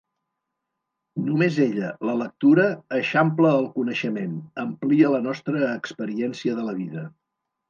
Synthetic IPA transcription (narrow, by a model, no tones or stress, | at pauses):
numezeʎələlək̚t̪uɾəːʃampləːlˠkunəʃəmenəmpliələnɔst̪ɾəːkspəɾiɛnsiəðələβiðə